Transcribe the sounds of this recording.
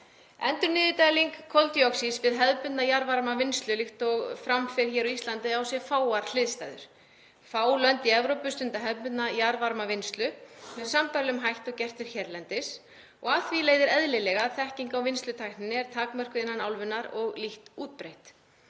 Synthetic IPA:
ɛ̰nt̪ʏɾnɪːðɪt̪ajliŋkʰːɔlt̪jɔksisvɪðɦɛðpʏt̪najaɾvaɾmavɪnst̪lʏlɪxt̪ɔɣfɾamfɪɾ̥çɛːɾɔist̪lant̪ɪawsjɛfaːwaɾ̥l̥ɪðst̪a̰jðʏ̰ɾ̥ | faːwlœnt̪iɛvɾowpʏst̪ʏnt̪aɦɛðpʏt̪najaɾvaɾmavɪnst̪lʏmɛðsampaɾlʏmɦajht̪ɔɣcɛr̥t̪vɪɾ̥çɛɾlɛnt̪ɪs | ɔɣaːθvileːjðɪɾɛðlɪlɛɣaθɛhciŋkawvɪnst̪lʏt̪ʰajhnɪnːɪɛɾ̥t̪ʰaːkmœr̥kʏɪnːanawlvʏnːaɾɔɣliht̪uːt̪̚pɾejht̪

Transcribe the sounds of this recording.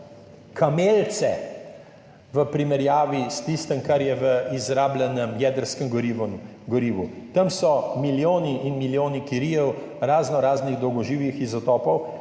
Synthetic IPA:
kʰameːlt̪sɛ | ʋəpɾimɛɾjaːʋist̪ist̪əmkaɾjɛʋəizɾaːblʲɛnəmjɛːd̪əɾskəmɡɾiʋm | ɡɔɾiːʋu | t̪ɐmsɔmiljoːniʔinmiljoːnikiɾijɛw | ɾaːznɔɾaːzniɣd̪ɔwɡɔʒiːwʋixizɔt̪ɔːpɔw

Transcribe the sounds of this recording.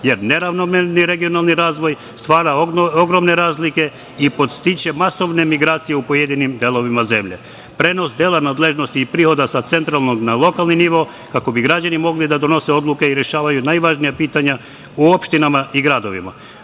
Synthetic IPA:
je̞ɾne̞ɾaʋnomeniɾe̞ɡijo̞nalˠniɾaːzʋo̞j | st̪ʋaːɾaoɡɾo̞mne̞ɾaːzlike̞ | ipo̞t̪st̪it͡ʃe̞maso̞ʋne̞miɡɾaːt̪sijeupo̞jed̪inimd̪elˠo̞ʋimaze̞mʎe̞̰ | pɾe̞no̞sd̪e̞lˠanaːd̪le̞ʒno̞st̪iːpɾiːxo̞d̪asat̪se̞nt̪ɾalˠnoɡnalˠo̞kalniniʋo̞ | kako̞biɡɾad͡ʑanimo̞ɡlid̪ad̪o̞no̞se̞o̞d̪lˠukeiɾe̞ʃaːʋajunajʋaʒnijapiːt̪aɲa | uopʃt̪inamaʔiɡɾad̪o̞ʋḭma̰

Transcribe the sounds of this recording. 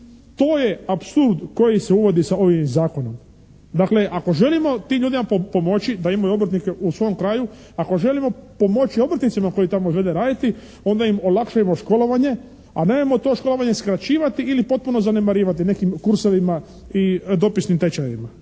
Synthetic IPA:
t̪o̞ːje̞apsuɾd̪ko̞jise̞uʋo̞d̪isao̞ʋimzaːko̞no̞m | d̪akleʔako̞ʒe̞limo̞t̪iːmʎuːd̪imapopo̞mo̞t͡ɕid̪aimajuo̞bɾ̩t̪nikeʔusʋo̞omkɾaːju | ako̞ʒe̞limo̞po̞mo̞t͡ɕio̞bɾ̩t̪nit̪simako̞jit̪amoizʋe̞d̪e̞ɾaːd̪it̪i | o̞nd̪aimo̞lakʃajemo̞ʃko̞lo̞ʋaɲe̞ | a̰ne̞mojemo̞t̪o̞ːʃko̞lo̞ʋaɲe̞skɾat͡ɕiːʋat̪iilipo̞t̪̚puno̞zane̞maɾiːʋat̪ine̞kimkuɾso̞ʋima | id̪o̞pisnimt̪e̞t͡ɕajima

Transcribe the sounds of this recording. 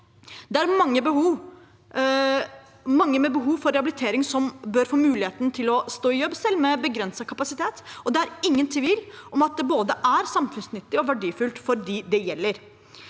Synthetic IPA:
d̪ɛæɾmɑŋːəbəhuː | mɑŋːəmɛbəɦuːʋfɔɾɛhɑbɪlɪt̪ʰeːɾɪŋsɔmbœɾfoːmʉːlɪheːt̪nt̪ʰɪlɔst̪oːɪjɔbsɛlmɛbəɡɾɛnsɑkʰɑpɑsɪt̪ʰeːt̪ɔd̪ɛæɾɪŋːənt̪ʰʋiːlʔɔmɑt̪̚d̪ɛboːd̪əʔæɾsɑmfʉnsnʏt̪ːɪɔʋæɖiːfʉlt̪fɔɾd̪iːd̪ɛjɛlːəɾ

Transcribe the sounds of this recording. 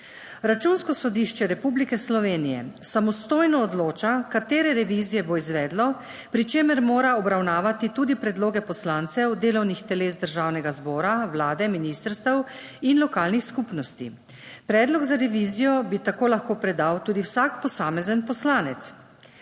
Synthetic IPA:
ɾat͡ʃunskɔsɔd̪iʃt͡ʃɛɾɛpublikɛslɔʋeːnijɛ̰samɔst̪oːjnɔːd̪loːt͡ʃakat̪eːɾɛɾɛʋizijɛboizʋɛːd̪lɔ | pɾit͡ʃeːməɾmoːɾaɔbɾawnaːʋat̪it̪uːd̪ipɾɛd̪loːɡɛpɔslaːnt̪sɛwd̪eːlɔwnixt̪ɛleːzd̪əɾʒaːwnɛɡazbɔːɾawlaːd̪ɛminist̪əɾst̪əw | inlɔkaːlnixskupnɔst̪ḭ | pɾɛːd̪lɔɡzaɾɛʋizijɔbit̪akoːlaxkoːpɾɛd̪awt̪uːd̪iwsakpɔsaːmɛzənpɔslaːnɛt̪s

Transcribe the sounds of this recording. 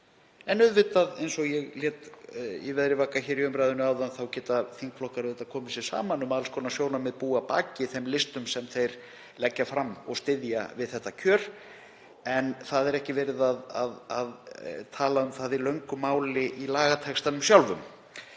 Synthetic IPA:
ɛnʏðvɪt̪aðḛjnsɔɣjɛɣljɛːt̪ɛvɛðɾɪvaːkaçɛːɾiʏmɾajðʏnʏaːwðanθawcɛːt̪aθiŋkflɔhkaɾɛt̪aðkʰɔːmɪsɛɾsa̰ːmanʏmaðlskɔːnasjoːwnamɛðpuːapa̰ːcɪθɛmlɪst̪ʏmsɛmθejɾ̥ | lɛcːafɾamːɔ̰ɣst̪ɪðja̰vɪðθɛht̪ːacʰœːɾ̥ | ɛnθaðɛɾɛhcɪvɛːɾɪðaðaðaðt̪ʰaːlaʏmθaðilœɥŋkʏmaːwlɪʔilaːɣat̪ʰɛkst̪anʏmsjawlvʏ̰m

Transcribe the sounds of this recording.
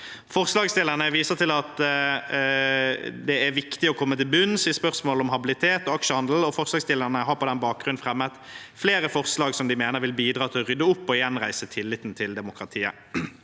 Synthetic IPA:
fɔʁslɑːɡst̪ɪlənəʋiːsət̪ʰɪlɑt̪ | d̪ɛæɾʋɪkt̪ɪɔkʰɔmːət̪ɪlbʉnsɪspœʁsmoːlɔmɦɑbɪlɪt̪ʰeːt̪ɔɑkʂəhɑnd̪l̩ɔfɔʁslɑːɡst̪ɪləʁnəɦɑɾpʰɔd̪ɛnbɑːk̚ɡɾʁʉnfʁɛmːət̪fleːɾəfɔʁslɑːɡsɔmd̪ɪmeːnəɾʋɪlbiːd̪ɾɑːt̪ʰɪlɔʁʏd̪ːəʊpːɔjɛnʁæɪsət̪ʰɪlːɪt̪ːnt̪ʰɪld̪ɛmʊkʁɑt̪ʰiːə̰

